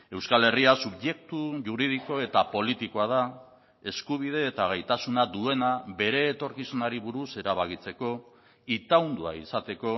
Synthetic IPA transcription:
e̞wskale̞riasuβʝe̞kt̪uʝuɾið̞iko̞e̞t̪apo̞lit̪ikoað̞a | e̞skuβ̞ið̞e̞ːt̪aɣajt̪asunad̪ue̞nabe̞ɾe̞ːt̪o̞ɾkisunaɾiβuɾuse̞ɾaβaɣit͡se̞ko̞ | it̪awnd̪ua̰isat̪e̞ko̞

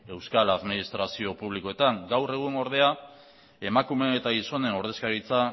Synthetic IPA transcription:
e̞wskalaðminist̪ɾasio̞puβliko̞e̞t̪aŋɡawre̞ɣ̞uno̞ɾð̞e̞a | e̞makume̞et̪aɣiso̞ne̞no̞ɾð̞e̞skaɾit͡sa

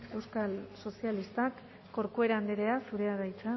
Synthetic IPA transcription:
e̞wskalso̞sialist̪akː | o̞ɾkue̞ɾand̪eɾe̞asuɾe̞aðajt͡sa

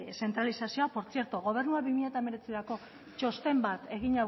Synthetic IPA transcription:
se̞nt̪ɾalisasio̞apoɾt͡sie̞ɾt̪oɣo̞β̞e̞ɾnuaβimiʎat̪ameɾe̞t͡siɾako̞ | t͡ʃo̞st̪e̞mbat̪e̞ɣ̞iɲa

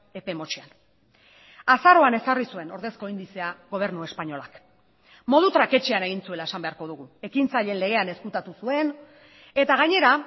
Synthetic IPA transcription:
e̞pe̞mo̞t͡ʃian | asaɾo̞ane̞sarisue̞no̞ɾðe̞sko̞ind̪ise̞aɣo̞β̞e̞ɾnue̞spaɲo̞lak | mo̞ðut̪ɾake̞t͡ʃeane̞ɣ̞int͡sue̞lae̞sambe̞aɾko̞ðuɣue̞kint͡saʎe̞nle̞ɣ̞e̞ane̞skut̪at̪usue̞n | e̞t̪aɣ̞aɲe̞ɾa

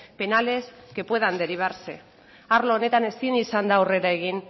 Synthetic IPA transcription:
pe̞nale̞ske̞pwe̞ðand̪eɾiβ̞aɾse̞ | aɾloone̞t̪ane̞sinisand̪aure̞ɾaeɣ̞in

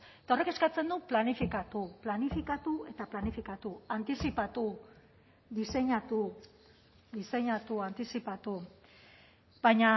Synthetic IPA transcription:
et̪ao̞reke̞skat͡se̞nd̪uplanifikat̪uplanifikat̪ue̞t̪aplanifikat̪uant̪isipat̪u | ðise̞ɲat̪u | ðise̞ɲat̪uant̪isipat̪u | bajɲa

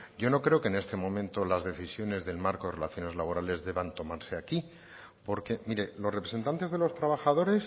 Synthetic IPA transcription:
ɟ͡ʝo̞no̞kɾeo̞kene̞st̪e̞mõ̞mẽnt̪o̞lazðe̞θisjo̞ne̞zðe̞lmaɾkoðerelaθjo̞ne̞zlaβ̞o̞ɾale̞zðe̞βant̪o̞maɾse̞aki | po̞ɾke̞miɾe̞lo̞srepɾe̞se̞nt̪ant̪ezðe̞lo̞st̪ɾaβaxaðo̞ɾe̞s

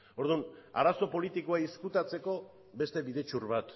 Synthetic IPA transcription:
o̞ɾð̞una̰ɾaso̞po̞lit̪ikoaiskut̪at͡se̞ko̞ | be̞st̪e̞βiðe̞t͡ʃurβat̪

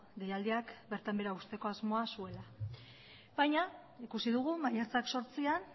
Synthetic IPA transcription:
d̪e̞jald̪iakbe̞ɾt̪ambe̞ɾaust̪e̞ko̞azmo̞asue̞la | bajɲa | ikusiðuɣ̞umajat͡sakso̞ɾt͡sian

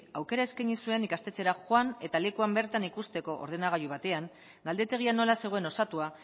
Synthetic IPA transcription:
awke̞ɾae̞skaɲisue̞nikast̪e̞t͡se̞ɾaxoane̞t̪ale̞kuambe̞ɾt̪anikust̪e̞ko̞ʔo̰ɾð̞e̞naɣ̞ajuβat̪e̞aŋ | ɡald̪e̞t̪e̞ɣ̞iano̞lase̞ɣ̞o̞e̞no̞sat̪ua

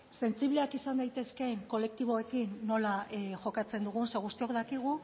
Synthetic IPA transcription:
se̞nt͡siβleakisand̪ajt̪e̞ske̞ŋko̞le̞k̚t̪iβ̞o̞e̞kinːo̞laʝo̞kat͡se̞nd̪uɣ̞unseɣust̪iokd̪akiɣ̞u

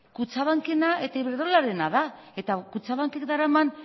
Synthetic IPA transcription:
kut͡saβaŋke̞nae̞t̪aiβeɾðo̞laɾe̞naða | e̞t̪akut͡saβaŋkekd̪aɾaman

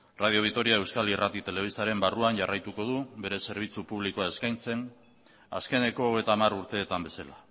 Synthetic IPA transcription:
rað̞io̞β̞ikt̪o̞ɾiae̞wskalirat̪it̪e̞le̞β̞ist̪aɾe̞mbaruanʝarajt̪uko̞ð̞uβe̞ɾe̞se̞ɾβ̞it͡supuβlikoae̞skajnse̞n | a̰ske̞ne̞ko̞ːɣ̞e̞jt̪aːmaɾuɾt̪e̞ːt̪ambe̞sala

